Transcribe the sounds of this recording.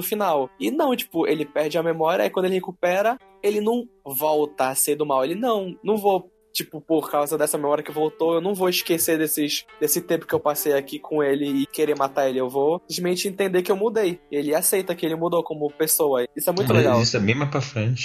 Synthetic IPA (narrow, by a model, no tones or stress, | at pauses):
ʊfinawɪnɐ̃w̃t͡ʃi̥pʊʔelɪpɛɾd͡ʒɪɐmemɔɾiɐ̰ikwɐ̃d̪elɪhekupɛɾɐ | elɪnɐ̃w̃vɔwt̪ɐaseɾd̪ʊmawelɪnɐ̃w̃nɐ̃w̃vo | t͡ʃipʊpoɾkawzɐd̪ɛsɐmemɔɾiɐkɪvowt̪owewnɐ̃w̃voɪʃkesed̪esɪʃd̪esɪt̪ẽpʊ̥kɪewpasejakikʰõelɪɪkeɾemat̪aɾelɪewvolizmẽt͡ʃɪẽnt̪ẽnd̪ekɪewmud̪ejelɪasejt̪ɐkɪelɪmud̪okõmʊpesowɐisʊɛmũj̃t̪ʊleɡawisʊɛmẽjmapɾafɾẽt͡ʃɪ̥